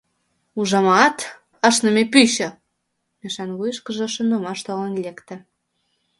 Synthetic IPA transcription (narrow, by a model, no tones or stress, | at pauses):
uʒɑmɑt̪ | əʃnə̆mepyɕə̆ | meʃɑnɣujʃkə̆ʒĕʃə̆nomɑʃt̪olenlʲekt̪ə̆